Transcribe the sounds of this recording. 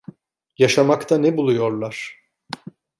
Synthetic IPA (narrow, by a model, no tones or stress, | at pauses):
jaʃamakt̪ʰanɛbulˠujo̞ɾlˠaɾ̥